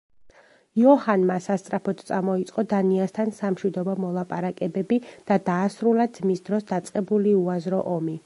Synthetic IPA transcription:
jɔhanmasast̪sʼɾapʰɔt̪ʰt̪sʼamɔit̪sʼqʼɔd̪aniast̪ʰansamʃwid̪ɔbɔmɔlˠapʼaɾakʼɛbɛbid̪̥ad̪aːsɾulad̪z̥misd̪ɾɔsd̪at̪sʼqʼɛbuliuazɾɔʔɔmi

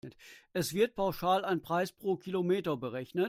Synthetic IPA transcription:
ətʔɛsv̥ɪɐt̚pʰaʊʃaːlaɪnpʁ̥aɪspʁ̥oːkʰilomeːtɐbəʁɛçnə

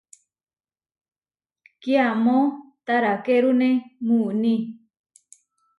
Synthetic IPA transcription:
kiamõt̪aɾakeɾunẽmũnĩ

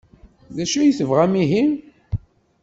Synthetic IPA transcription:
ðæʃujθəvʁæmiɦim

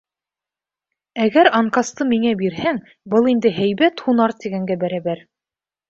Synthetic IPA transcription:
æɡæɾɑɴqɑst̪ɤmiŋæbiɾɦæŋ | bɤlˠind̪ɘɦæjβæt̪hunɑɾt̪iɡæŋɡæbæɾæβæɾ

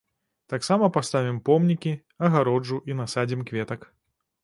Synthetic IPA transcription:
t̪aksamɐpast̪avʲimpɔmnʲikʲi | ɐɣaɾɔd͡ʐuʔinasad͡zʲimkvʲɛt̪ɐk

